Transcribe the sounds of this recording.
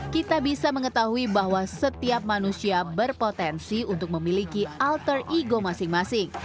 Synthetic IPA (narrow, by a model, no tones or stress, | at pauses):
kit̪abisaməŋət̪aɦuibaɦwasət̪iap̚manusiabərpot̪ɛnsiunt̪ʊk̚məmilikialt̪əriɡomasɪŋmasɪŋ